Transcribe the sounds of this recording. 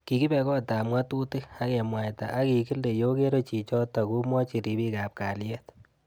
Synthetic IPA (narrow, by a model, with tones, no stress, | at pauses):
ki˨ki˦bɛ˧kɔ˦ta˨mwa˦tu˦tɪ˦a˦ke˨mwa˨jta̰˨ʔa˦ki˨ki˦lde˨jo˦ke˦ɾo˦t͡ʃi˨t͡ʃɔ˦ta˨ku˦mwɔ˦t͡ʃi˨ɾi˨˦bi˦ka˨p̚ka˨lje˦t